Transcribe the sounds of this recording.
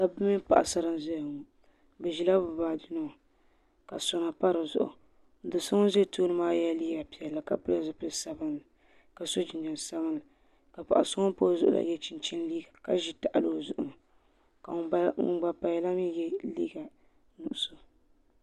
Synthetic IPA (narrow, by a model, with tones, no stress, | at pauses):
ka˨bɨ˦mi˦pa̰˨ʔa̰˨sa˨ɾɨ˦n˦zɛ˦˨ŋɔ˨ | bɛ˨ʒi˨la˦bʊ˨baː˨dɨ˦nɔ˦˨ | ka˨so˨na˨pa˦ɾɨ˨zʊ̰˦ʔʊ̰˨˦ | dɨ˨so˦ŋɔ˦ze˦˨toː˦nɨ˦maː˦ja˦liː˦ɡa˨pi˨ɛ˨la˨ka̰˦pɨ˦a˨zʊ˨pɨ˦˨sa˦bɨ˦nːɨ˨ | ka˨so˦d͡ʒi˨ɲa˨n˨sa˦βɨ˦nːɨ˨ | ka˨pa̰˨ʔa̰˨so˦ŋɔ˦po˦zʊ˦ʔʊ̰˦la̰˨jɛ˦t͡ʃi˨nt͡ʃi˦n˦liː˦ɡa˨ka˦ʒi˦ta˨ʔa˨lo˦˨zʊ˨ʔʊ˨nɨ˨ | ka˨ŋ̰˨ɡ͡ba˨pa˨jɛ˨la˦mi˦jɛ˦lḭː˦ɡa˨ | nu˨ʔʊ˨so˨